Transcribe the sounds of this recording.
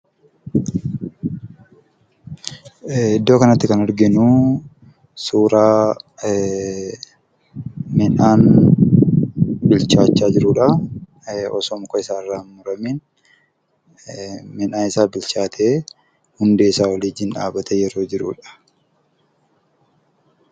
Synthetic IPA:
ɪd̪ːoːkɐnɐt̪ːɪkɐnɐɾɡɪnʊ | suːɾaː | mɛnaːn | bɪlt͡ʃaːt͡ʃːaːd͡ʒɪɾuːᶑɐ | ɔ̰soːmkɔɪsaːɪrːaːmʊɾɐmiːn | mɪnaːnɪsaːbɪlt͡ʃaːt̪ʰeː | hʊnd̪eːsaːwɐliːd͡ʒɪnᶑa̰ːbɐt̪ɛjɛɾo̞ːd͡ʒɪɾṵːᶑɐ̥

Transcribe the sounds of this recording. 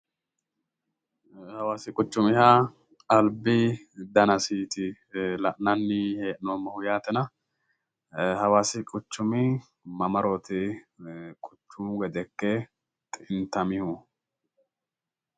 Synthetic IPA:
hɐwaːsɪkʼʊt͡ʃːʊmɪha | ɐlbɪd̪ɐnɐsiːt̪ɪ | lɐʔnɐnːɪheːʔnoːmːɐhʊjaːt̪ɛnɐ | hɐwaːsɪkʼʊt͡ʃːʊmɪ | mɐmɐɾoːt̪ɪ | kʼʊt͡ʃːʊmɡɛd̪ɛkːɛ | t̪ʼɪnt̪ɐmɪhʊ

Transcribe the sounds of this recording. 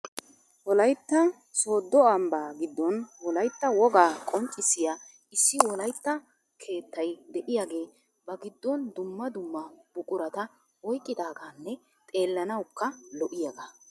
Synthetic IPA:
wɔlɐjt̪ːɐ | so̞ːd̪ːɔɐmbaːɡɪd̪ːɔnwɔlɐjt̪ːɐwɔɡaːkʼɔnt͡ʃʼːɪsɪja | ɪsːɪwɔlɐjt̪ːɐ | kʰe̞ːt̪ʰːɐjd̪ɛʔɪjaɡe̞ː | bɐɡɪd̪ːɔnd̪ʊmːɐd̪ʊmːɐb̥ʊkʼʊɾɐt̪ɐ | wɔjkʼːɪd̪aːɡanːɛ | t̪ʼe̞ːlːɐnɐwkːɐlɔʔɪjaɡaː

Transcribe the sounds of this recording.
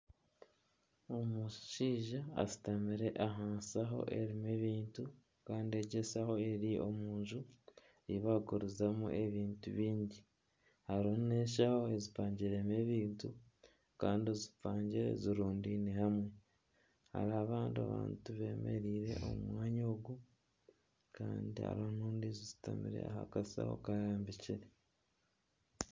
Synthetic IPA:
omuʃiːʒa̰ːzi̥tamiɾe̞ʔaɦaːnsaɦo̞̰ʔe̞ɾime̞βiːntu | kaːndieɟesaho̞eɾiʔo̞̰muːnʒu | iβaɡuɾuzamṵʔe̞βiːntuβiːɲɟi | haɾoune̞ʃ̬aho̞e̞zipaːɲɟiɾe̞meβiːntu | kaːndiozipaːɲɟiɾe̞̰ziɾuːndinihamwe̞ | ha̰ɾaβaːndia̰βa̰ːntuβe̞ːmḛɾiːɾe̞̰ʔo̰mumwaːɲoːɡu | ka̰ːndia̰ɾoonuːndizizi̥ta̰mḭɾe̞̰a̰ha̰kasa̰ho̰kajaːmbiciɾe

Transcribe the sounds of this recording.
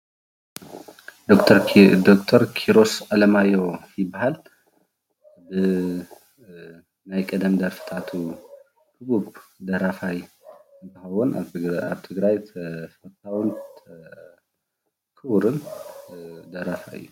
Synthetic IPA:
d̪okt̪ʰɾd̪okt̪ʰɐɾkʰiɾo̞sʔalɐmajo̞jɪbaɦal | bɨ | najkʼɐd̪ɐmd̪ɐɾfɨ̥t̪ʰat̪ʰu | kʰɨbubd̪ɐɾafaj | ɨnt̪ʰɨxɐwuna̰βt̪ʰɨɡɾajfɐt̪ʰawn | kʰɨβɾɨn | d̪ɐɾafaɨ̰jːu

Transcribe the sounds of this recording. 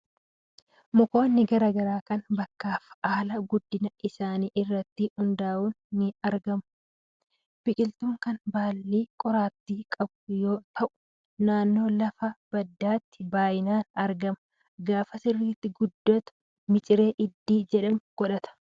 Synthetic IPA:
mɔko̞ːnːɪɡɐɾɐːɡɐɾaːkɐnbɐkːaːfaːlɐɡʊd̪ːɪnɐʔɪsaːniːʔɪrːɐt̪ːiʊnd̪aːʔuːnːɪɐɾɡɐmʊ | b̥ɪkʼɪlt̪uːŋkɐnbaːlːiːkʼɔɾaːt̪ːiːkʼɐbʊjo̞ːt̪ʰɐʔʊ̥ | naːnːo̞ːlɐfɐb̥ɐd̪ːaːt̪ːɪbaːjɪnaːnɐɾɡɐmɐ | ɡaːfɐsɪrːiːt̪ːɪɡʊd̪ːɐt̪ʊ̥ | mɪt͡ʃʼɪɾe̞ːʔɪd̪ːiːd͡ʒɛᶑɐmɡ̥ɔᶑɐt̪ɐ̥

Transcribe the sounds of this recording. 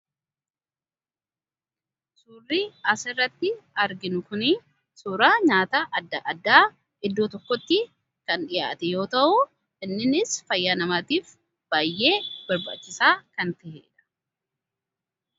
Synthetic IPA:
suːrːiɐsɪrːɐt̪ːɪɐɾɡɪnʊkʊnɪ | suːɾaːɲaːt̪ɐʔɐd̪ːɐʔɐd̪ːaː | ʔɪd̪ːoːt̪ɔkːɔt̪ːɪ | kɐnᶑɪja̰ːt̪ɛjo̞ːt̪ɐʔʊ | ɪnːɪnɪsfɐjːanɐmaːt̪iːf | b̥aːjːe̞ːb̥ɐɾba̰ːt͡ʃːɪsaːkɐnt̪ɐhḛːᶑɐ̥

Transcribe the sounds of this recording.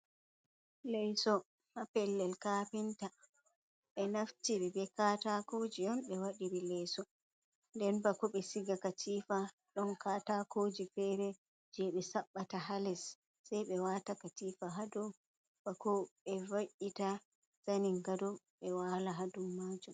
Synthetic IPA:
lɛjsɔ | mapɛlːɛlkapinta | ɓɛnaftiɓɛbɛkatakod͡ʒiɔnɓɛwaɗiɾilɛjsɔ | ndɛnbakɔɓɛsiɡakatʰifa | ɗɔnkatakʰoːd͡ʒifɛɾɛ | d͡ʒɛɓɛsaɓːataɦalɛsː | ajɓɛwatakatiːfaɦadɔ | b̥akɔɓɛvaʔita | saniŋɡadɔɓɛwaːlaɦadumːaːd͡ʒum

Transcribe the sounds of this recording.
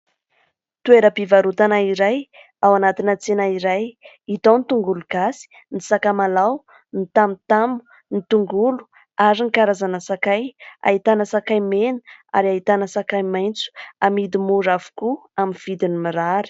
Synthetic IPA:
t̪ueɾəpivaɾut̪anaiɾaj | awanat̪inət͡senaiɾaj | it̪ont̪uŋɡuluɡ̥asi̥ | nisakamalaw | nit̪amut̪amu̥ | nit̪uŋɡulu̥ | aɾinikaɾazanəsakaja̰ɦit̪anəsakajmenə̥a̰ɾait̪anəsakajmajnt͡su̥amid̪imuɾavu̥kuaminv̥id̪inimiɾaɾi̥

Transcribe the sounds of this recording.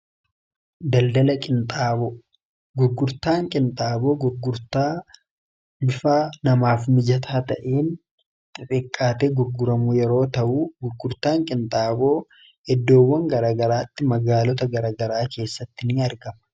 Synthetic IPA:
d̪ɐld̪ɐlɐkʼɪnt̪ʼaːbo | ɡʊɾɡʊɾt̪aːŋkʼɪnt̪ʼaːboːɡʊɾɡʊɾt̪aː | bʊfaːnɐmaːfmɪd͡ʒɐt̪ʰaːt̪ɐʔeːn | t̪ʼɪrʼɪkʼːaːt̪eːɡʊɾɡʊɾɐmʊjɛɾo̞ːt̪ɐʔuːɡʊɾɡʊɾt̪aːŋkʼɪnt̪ʼaːbo̞ː | ɛd̪ːo̞ːwːɐŋɡɐɾaːɡɐɾaːt̪ːɪmɐɡaːlɔt̪ɐɡɐɾaːɡɐɾaːke̞ːsːɐt̪ːɪnɪɐɾɡɐmɐ̥

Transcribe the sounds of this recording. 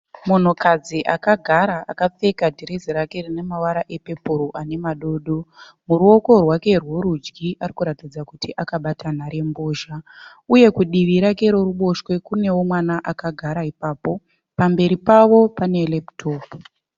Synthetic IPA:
mun̤ukad͡ziʔakaɡʱaɾaʔa̰kap͡fe̞kadʱiɾeziɾake̞rine̞mawaɾaʔe̞pe̞puɾoʔane̞maɗo̞ːɗo̞ | muɾuo̞ko̞rwake̞rwoɾud͡ʒɡiʔarikuɾatid͡zakutiʔakaɓatʰan̤aɾe̞mbo̞ːʒa | uje̞kuɗiʋiɾake̞ɾoruɓo̞ʃwe̞kune̞wo̞mwanaʔakaɡʱaɾaipaːpo̞ | pambe̞ɾipaʋo̞pane̞leptʰoːpu

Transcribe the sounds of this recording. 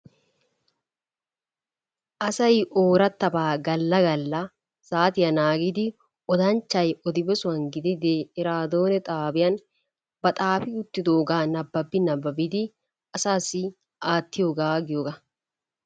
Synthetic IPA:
ʔɐsɐjʔoːɾɐt̪ːɐbaːɡɐlːɐɡɐlːɐ | saːt̪ɪjɐnaːɡɪd̪ɪ | ʔɔd̪ɐnt͡ʃːɐjɔd̪ɪbɛsʊɐŋɡɪd̪ɪd̪eɪɾaːd̪oːnɛt̪ʼaːbɪjɐn | bɐt̪ʼaːfɪʊt̪ːɪd̪oːɡaːnɐbːɐbːɪnɐbːɐbɪd̪i | ɐsaːsɪ | ʔaːt̪ːɪjɔɡaːɡɪjɔɡɐ

